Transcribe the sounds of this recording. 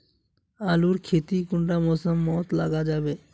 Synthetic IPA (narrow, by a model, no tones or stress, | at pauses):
aluɾkʰet̪ikuɳʈamosəmːɔt̪laɡad͡ʑabe